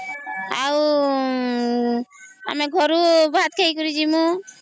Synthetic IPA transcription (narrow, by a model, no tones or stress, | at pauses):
aw | a̰mɛɡʱɔɾubaat̪kʰejkɔɾid͡ʒimu